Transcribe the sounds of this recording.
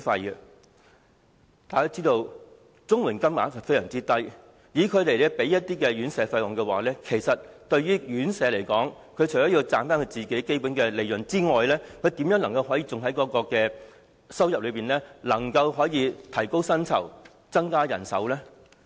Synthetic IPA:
fɐ˧jɛ˧ | t̪aː˨˧jkaː˥t͡siː˥t̪o˧w | t͡sʊ˥ŋwuː˨˩nkɐ˥mma̰ː˨˥sɐ˨˩fe˥jsœː˨˩ŋt͡siː˥t̪ɐ˥j | jiː˨˥kʰɵ˨˧ɥt̪e˨˩jlɛ˥pe˨˥jɐ˥t̚t̪iː˥kɛ˧jyː˨˥nsɛː˨˧˥fɐ˧jwɔ˨ŋkɛː˧wa̰ː˨lɛː˥kʰe˨˩jsɐ˨t̚t̪ɵ˧ɥyː˥jyː˨˥nsɛː˨˧le˨˩jkɔː˨˥ŋ | kʰɵ˨˧t͡ʃʰɔː˨˥jiː˧wt͡saː˧nfaː˥nkʰɵ˧ɥt͡siː˨˩ke˨˥jke˥jpu˨˥nkɛː˧le˨˧jɵ˨˩nt͡siː˥ŋɔː˨jlɛː˥kʰɵ˨˧ɥt̪iː˨˥mjœː˨˥ŋnlɐ˨˩ŋkɐ˧wɦɔː˨˥jiː˧t͡sʊ˨ŋɦɐ˨˥jkɔː˨˥kɔː˧kɛː˧ | sɐ˥wjɐ˨p̚lɵ˨˧ɥpiː˨˩nlɛː˥lɐ˨˩ŋkɐ˧wɦɔː˨˥jiː˧t̪ʰɐ˨˩jko˥wsɐ˥nt͡sʰɐ̰˨˩w | t͡sɐ˥ŋkaː˥jɐ̰˨˩nsɐ̰˨˥wlɛː˥

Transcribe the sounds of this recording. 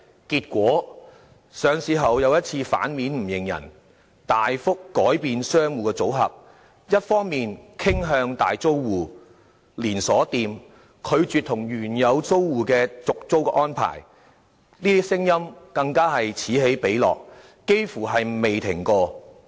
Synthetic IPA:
kiː˧t̚kʷɔː˨˥ | sœː˨˧ŋsiː˨˥ɦɐ˨wjɐ˨˧wjɐ˥t̚t͡sʰiː˧fa̰ː˨˥nmiː˨˥nm̩˨˩jɪ˨˩ŋjɐ̰˨˩n | t̪aː˨jfʊ˥kːɔː˨˥jpiː˨nsœː˥ŋwuː˨kɛ˧t͡so˨˥wɦɐ˨p̚ | jɐ˥t̚fɔː˥ŋmiː˨nkʰɪ˥ŋɦœː˧ŋt̪aː˨jt͡so˥wwuː˨ | liː˨˩nsɔː˨˥t̪iː˨m | kʰɵ˨˧ɥt͡syː˨t̪ʰʊ˨˩ŋjyː˨˩njɐ˨˧wt͡so˥wwuː˨kɛː˧t͡sʊ˨k̚t͡so˥wkɛː˧ʔɔː˥npʰa̰ː˨˩j | niː˥t̪i˥sɪ˥ŋjɐ˥mkɐ˧ŋkaː˥ɦɐ˨jt͡sʰiː˨˥ɦe˨˥jpe˨˥jlɔ̰ː˨k̚ː | e˥jfuː˨˩ɦɐ˨jme˨jt̪ʰɪ̰˨˩ŋkɔː˧

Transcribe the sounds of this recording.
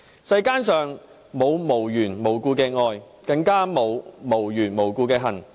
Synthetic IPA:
sɐ˧jkaː˥nsœː˨˩ŋ | mo˨˧wmo˨˩wjyː˨˩nmo˨˩wkuː˧kɛː˧ŋɔː˧j | kɐ˧ŋkaː˥mo˨˧wmo˨˩wjyː˨˩nmo˨˩wkuː˧kɛː˧ɦɐ˨˩n

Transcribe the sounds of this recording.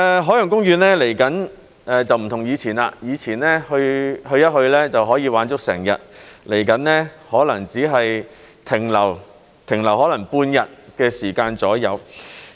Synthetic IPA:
ɛ˨˧ɦɔː˨˥jœ˨˩ŋkʊ˥ŋjyː˨˧nɛː˥le˨˩jkɐ˨˥n | ʔɛː˧t͡sɐ˨wm̩˨˩t̪ʰʊ˨˩ŋjiː˨˧t͡sʰiː˨˩na̰ː˧jiː˨˧t͡sʰiː˨˩nnɛː˥hɵ˧ɥhɵ˧ɥjɐ˥t̚hɵ˧ɥlɛː˥t͡sɐ˨wɦɔː˨˥jiː˨˧waː˨˥nt͡sʊ˥k̚sɛ̰ː˨˩ŋjɐ̰˨t̚le˨˩jkɐ˨˥nnɛː˥hɔː˨˥lɐ˨˩ŋt͡siː˨˥ɦɐ˨j | t̪ʰɪ˨˩ŋlɐ˨˩w | t̪ʰɪ˨˩ŋlɐ˨˩wɦɔː˨˥lɐ˨˩ŋpuː˧njɐ˨t̚kɛː˧siː˨˩kaː˧nt͡sɔː˨˥jɐ˨˧w

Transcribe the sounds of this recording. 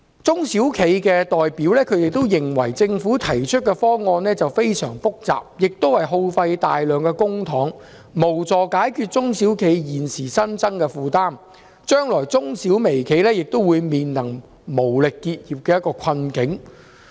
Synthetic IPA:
t͡sʊ˥ŋsi˨˥wkʰe˨˧jkɛː˧t̪ɔː˨jpiː˨˥wlɛː˥kʰɵ˨˧jt̪e˨jt̪o˥wjɪ˨ŋwɐ˨˩jt͡sɪ˧ŋfuː˨˥t̪ʰɐ˨˩jt͡ʃʰɵ˥t̚kɛ˧fɔː˥ŋɔː˧nlɛː˥t͡sɐ˨wfe˥jsœ̰ː˨˩ŋfʊ˥k̚t͡sa̰ː˨p̚jɪ˨k̚t̪o˥whɐ˨jɦo˧wfɐ˧jt̪a̰ː˨jlœː˨˧ŋkɛ˧kʊ˥ŋt̪ʰɔː˨˥ŋ | mo˨˩wt͡sɔː˨kaː˨˥jkʰyː˧t̚t͡sʊ˥ŋsiː˨˥wkʰe˨˧jjiː˨nsiː˨˩sɐ˥nt͡sɐ˥ŋkɛː˧fuː˨˧t̪aː˥m | t͡ʃœː˥ŋlɔː˨˩jt͡sʊ˥ŋsiː˨˥wme˨˩jkʰe˨˧jlɛː˥jɪ˨k̚t̪o˥wuː˨˧jmiː˨nlɐ˨˩ŋ | mo˨˩wlɪ˨kːiː˧t̚jiː˨˩p̚kɛː˧jɐ˥t̚kɔː˧kʰɐ˧nkɪ˨˥ŋ

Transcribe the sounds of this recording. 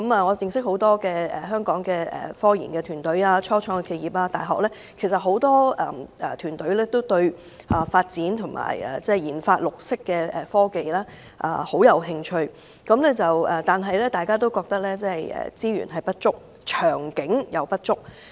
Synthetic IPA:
kɐ˧˥maː˨ŋɔː˨˧jɪ˨˧ŋsɪ˥k̚ho˨˥wt̪ɔː˥kɛː˧ɛ̰˨ɦœː˥ŋkɔː˨˥ŋkɛː˧ɛ̰˨˩fɔː˥jḭː˨˩nkɛː˧t̪ʰyː˨˩nt̪ɵ˨˥ɥaː˧t͡ʃʰɔː˥t͡sʰɔː˧˥ŋɛ˧kʰe˧jiː˨˩p̚aː˧t̪aː˨jɦɔː˨k̚lɛː˥ | kʰe˨˩js̬ɐ˨t̚ɦo˨˥wt̪ɔː˥ɐ̰ː˨˩ʔɛ˨˩t̪ʰyː˨˩nt̪ɵ˨˥ɥlɛː˥t̪o˥wt̪ɵ˧ɥ | ʔɐː˨faː˧t̚t͡siː˨˥nt̪ʰʊ˨˩ŋma̰ː˨˩jɛ̰ː˨˩t͡sɛː˥˩jiː˨˩nfaː˧t̚lʊ˨k̚sɪ˥kːɛː˧ɛː˨fɔː˥ke˨jlaː˥ | ʔa̰ː˨ho˨˥wjɐ˨˧wɦɪ˧ŋt͡ʃʰɵ˧ɥ | kɐ˨˧˥mlɛː˥t͡sɐ˨wɛ˨˩t̪aː˨nɦɐ˨jlɛː˥t̪aː˨˩jkaː˥t̪o˥wkɔː˧k̚t̪ɐ˥k̚lɛː˥t͡sɛː˥hɐ˨jɛ̰ː˨˩t͡siː˥ɥy̰˨˩nɦɐ˨jpɐ˥t̚t͡ʃʊ˥k̚ | t͡ʃʰœː˨˩ŋkɪ˨˥ŋjɐ˨˧wpɐ˥t̚t͡ʃʊ˥k̚

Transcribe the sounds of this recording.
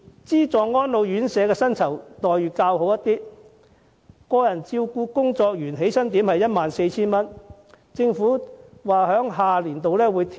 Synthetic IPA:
t͡siː˥t͡sɔː˨ŋːɔː˥nlo˨˧wjyː˨˥nsɛː˨˧kɛː˧sɐ˥nt͡sʰɐ˨˩wt̪ɔː˨˩jɥyː˨˩kaː˧wɦo˨˥wjɐ˥t̪iː˥ | kɔː˧jɐ˨˩nt͡siː˧wkuː˧kʊ˥ŋt͡sɔː˧k̚jyː˨˩nɦe˨˥jsɐ˥nt̪i˨˥mhɐ˨jːɐ˥t̚maː˨nse˧jt͡sʰiː˥nmɐ˥n | t͡sɪ˧ŋfuː˨˥waː˨hœː˨˥ŋɦaː˨˩liː˨˩nt̪o˨wlɛː˥wuː˨˧jt̪ʰ

